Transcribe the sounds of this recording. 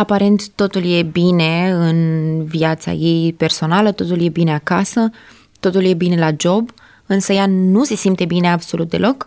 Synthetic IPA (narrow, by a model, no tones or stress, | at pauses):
apaɾe̞nt̪ːo̞t̪ulje̞bine̞ɨnviat̪sa̰je̞jpe̞rso̞nalət̪o̞t̪ulje̞bine̞akasə | t̪o̞t̪ulje̞bine̞lad͡ʒo̞b | ɨnsəjanuse̞simt̪e̞bine̞abso̞lut̪̚d̪e̞lo̞k